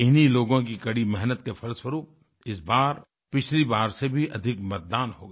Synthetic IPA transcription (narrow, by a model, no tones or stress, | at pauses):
ɪniloːɡõk̬ikɐɽimɛɦnət̪kefɐɾswəɾuːp̚ | ɪsbaːɾ | pɪt͡ʃʰlibaːɾsebʱiʔɐd̪ʱɪkmɐt̪̚d̪aːnhoːɡaː